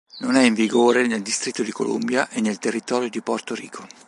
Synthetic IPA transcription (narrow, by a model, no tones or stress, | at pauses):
nonɛiɱviɡoːɾeneld̪ist̪ɾit̪ːod̪iko̰lo̰mbjaʔenːelt̪erːit̪ɔːɾjod̪iport̪oɾḭːkʰo